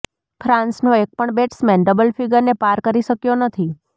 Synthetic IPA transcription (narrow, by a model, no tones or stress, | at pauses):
fʰɾãnsnoek̚pəɳbeʈsmɛ̃nɖəbəlfʰiɡəɾnepaɾkəɾiʃəkjonət̪ʰi